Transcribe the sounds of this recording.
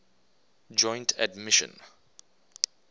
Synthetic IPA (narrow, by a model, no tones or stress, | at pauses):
d͡ʒɔ̃j̃ntʰadmɪʃə̰̃n